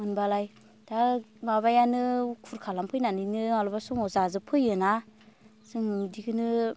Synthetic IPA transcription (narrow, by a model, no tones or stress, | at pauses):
mɯnbalaj | d̥amaβajanɯkʰuɾkʰalampʰɯjnanɯjnɯalɔbasuŋɔzazɯpʰɯjɯna | sɯŋdikʰɯnɯ